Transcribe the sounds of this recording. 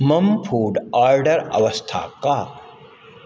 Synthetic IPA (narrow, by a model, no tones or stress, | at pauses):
mɐmpʰuːɖaːɾɖɐɾɐ̰ʋɐst̪ʰa̰ːka